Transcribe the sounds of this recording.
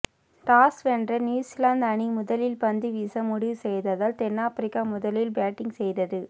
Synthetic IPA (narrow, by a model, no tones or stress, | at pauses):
ʈaːsɛndrɐnjuːsɪlaːnd̪ɐɳimʊðɐlɪlpɐnd̪iʋiːsɐmʊɽiʋsɛjðɐðaːlt̪ɛnːaːpɾɪkːamʊðɐlɪlbaːʈːɪŋɡsɛjðɐðɯ